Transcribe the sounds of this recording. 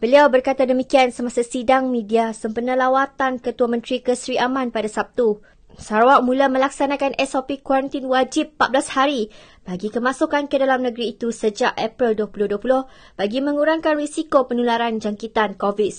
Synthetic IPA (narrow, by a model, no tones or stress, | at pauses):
b̥əliawbərkat̪adəmikiansəmasasidaŋmĩdiasəmpərnalawat̪ankət̪uamə̃nt̪ɾikəsɾiʔamãnpadasap̚t̪u | saɾaʔ̚mũlamə̃lak̚sanãkanʔɛsopikwaɾənt̪inwad͡ʒipːat̪̚blashaɾi | b̥aɡikəmãsukankədalamnə̃ɡəɾiːt̪usəd͡ʒaʔɛpɾilduəpulʊhduapulʊh | b̥aɡimə̃ŋuɾaŋkanrisikopənulaɾand͡ʒaŋkit̪ankovis